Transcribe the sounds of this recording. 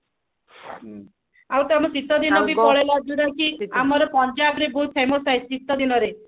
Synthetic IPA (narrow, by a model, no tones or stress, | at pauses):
awt̪amɔsit̪ːɔd̪inɔbipɔɭelad͡ʒuɽakiamɔɾɔpɔnd͡ʒabɾebɔɦut̪̚pʰemosajssit̪ːɔd̪inɔɾe